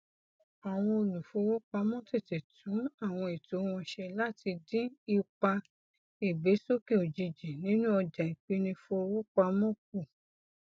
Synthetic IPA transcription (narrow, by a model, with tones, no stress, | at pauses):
a˨w̃ɔ̃˧o˧lu˨fo˧˦˧wo˦k͡pa˧mɔ̃˦te˦˨te˨tʰũ˨˦a˦˨w̃ɔ̃˧i˨to˨˦w̃ɔ̃˧ʃɛ˧la˦ti˧dĩ˦i˧k͡pa˧ | i˨be˨˦so˦ke˦˨o˨d͡ʒi˨˧d͡ʒi˨nĩ˨˦nũ˦ɔ˧d͡ʒa˨i˨k͡pi˦nĩ˧fo˧wu˦k͡pa˧˦mɔ̃˦k̚u˦˨